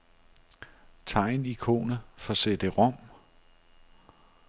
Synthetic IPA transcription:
t͡sʰɑ̈ɪ̰nikʰo̝̰ːnəfɒ̽sed̥əʁɔ̽m̰

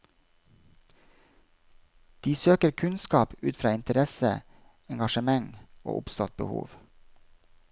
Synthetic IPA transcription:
d̪̥iːsøːkəɾkʰʉnskɑːpʉːt̪fɾɑːɪnt̪əɾɛsə̰ | ɛŋɡɑʃəmɑŋo̰ːʔʊ̰pst̪ɔt̪̚bə̰hṵːʋ

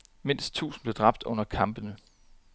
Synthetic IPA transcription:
me̝n̰sd̥̚t͡sʰṵːsn̩b̥le̝d̥ʁɑ̈b̥̚d̥ɔ̽n̰ɐkʰɑ̈mb̥ənə

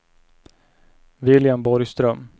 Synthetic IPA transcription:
vɪljambɔɾjst̪ɾœm

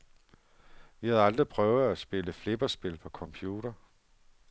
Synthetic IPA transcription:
ʋihæð̞̩ˠɑ̈ld̥ʁipʰʁœʊð̩ˠæsb̥e̝ləfle̝b̥ɐsb̥e̝lpʰɒ̽kʰɒ̽mpʰjuːɾ̥ɐ

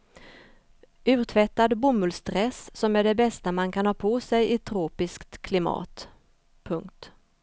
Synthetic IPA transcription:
ʔʉ̟ːɾt̪ʰvɛt̪ːad̪bʊmɵlst̪ɾɛssɔmæɖɛbɛst̪amankʰanhɑːpʰɔsɛjɪt̪ʰɾoːpɪskt̪kʰːlɪmɑ̰ːt̪ | pʰɵŋkt̪

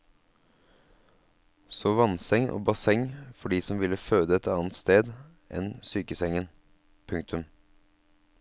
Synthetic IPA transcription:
soːʋɑnsɛŋʔo̰ːbɑsɛŋfɔɖiːsɔmʋɪlːəføːd̪əɛt̪ɑːnt̪st̪eːd̪ | ʔɛ̰nsyːkəsɛŋən | pʰʉŋk̚t̪ʰʉm

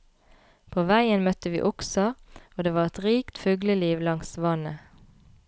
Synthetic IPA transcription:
pʰoːʋæɪənmœt̪əʋḭːʔʊksəoːd̪eːʋɑːʁɛt̪ʁiːkt̪fʉɡləliːʋlɑŋsʋɑnə

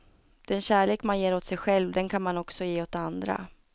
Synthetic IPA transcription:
d̪̥ɛnɕæːɭeːkmanjeːɾoːt̪sɛjɧɛlvd̪ɛnkʰanmanɔksɔjeːot̪and̪ɾa̰

